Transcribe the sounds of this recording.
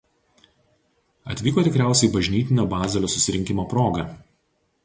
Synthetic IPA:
ɐt̪ʲʋʲiːkoːt̪ʲɪkɾʲæˑʊsʲɛɪbɐʒʲnʲiːt̪ʲɪnʲobɑːzʲɛlʲoːsʊsʲɪɾʲɪŋʲkʲɪmoːpɾoːɡɐˑ

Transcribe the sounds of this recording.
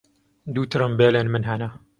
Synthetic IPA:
d̪uːt̪ʰɾɨmbeːlenmɨnɦana

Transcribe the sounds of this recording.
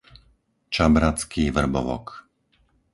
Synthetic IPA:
t͡ʃabɾat͡skʰivr̩bɔ̰ʋɔ̰k

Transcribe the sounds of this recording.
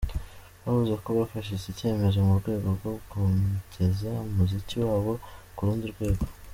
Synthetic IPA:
βaβuzeko̞βafaʃ̬izice̞ːme̞zo̞muɾɡwe̞ːɡo̞ɾɡo̞ɡumɟe̞zaumuziciwaːβo̞kuɾuːndiɾɡwe̞ːɡo̞

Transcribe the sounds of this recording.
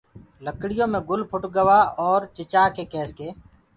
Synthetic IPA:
ləkɽɪjõːmẽːɡʊlpʰʊʈɡəʋaːɔːɾt͡ʃɪt͡ʃaːkeːkɛːskeː

